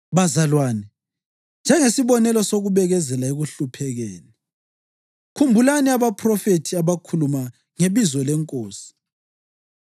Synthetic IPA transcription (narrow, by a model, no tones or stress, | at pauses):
βazalwaːnɛ | nd͡ʒʱɛŋesiβɔnɛlɔsoɣuβɛɣɛzɛlaeɣuɬupʰɛɣeːni | kʰumbʱulaniaβapʰʼrɔfetʰiaβakʰuluma | ŋeβizɔlɛŋkʼoːsi̥